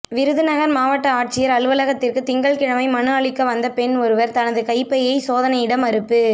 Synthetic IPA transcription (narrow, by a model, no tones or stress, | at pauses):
ʋɪɾɯðɯnɐɣɐɾmaːʋɐʈːɐaːʈ̚t͡ʃɪjɐɾɐɭɯʋɐlɐɣɐt̪ːɪrkɯt̪ɪŋɡɐɭkɪɻɐmɐɪmɐnɯɐɭɪkːɐʋɐnd̪ɐpɛnɔɾɯʋɐɾt̪ɐnɐðɯkɐɪpːɐjɐɪsoːðɐnɐɪɽɐmɐɾɯpːɯ